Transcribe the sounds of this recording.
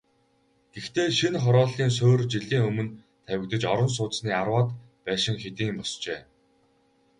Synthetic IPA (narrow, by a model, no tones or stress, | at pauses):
ɡ̥ext̪eːʃinχɔɾɔːɮiːns̬oːrt͡ɕiɮiːŋɵmɵ̆n | t̪ʰæwʲɪ̆kt̪ə̆t͡ɕɔɾɞ̆ns̬ʊːt̪t͡ssniːarwaːt̪ | pæːʃɪ̆ŋxet̪iːmpɔst͡ɕeː